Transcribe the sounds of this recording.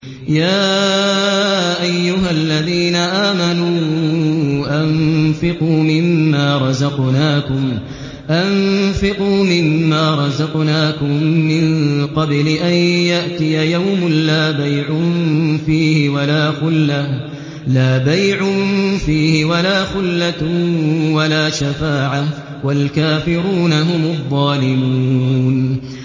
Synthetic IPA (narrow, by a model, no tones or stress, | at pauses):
jaː | ʔajːʊɦalːaðiːnaʔaːmanuː | ʔanfɪquːmɪmːaːɾˤɑzɑqnaːkʊm | ʔanfɪquːmɪmːaːɾˤɑzɑqnaːkʊmmːɪnqɑblɪʔanjaʔt̪ɪjajawmʊnlaːbajʕʊfiːhɪwalaːxʊlːa | laːbajʕʊfiːhɪwalaːxʊlːa | walaːʃafaːʕa | walkaːfɪɾuːnaɦʊmʊðˤːɑːlɪmuːn